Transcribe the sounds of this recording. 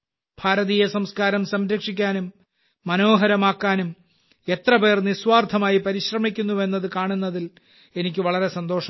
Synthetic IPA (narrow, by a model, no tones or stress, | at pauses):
b̥ʱaːɾɐðijesɐmskaːɾɐmsɐmɾɐkʂikʲːaːnumː | ɐno̞ːɦɐɾɐmaːkːaːnum | e̞t̪rɐpe̞ːrnisʋaːrd̪ʰʱɐmaːjipɐɾiɕrɐmik̬ʲːunːue̞nːɐðɨkaːɳunːɐðil | e̞nikʲːɨʋɐɭɐɾe̞sɐnd̪o̞ːʂɐ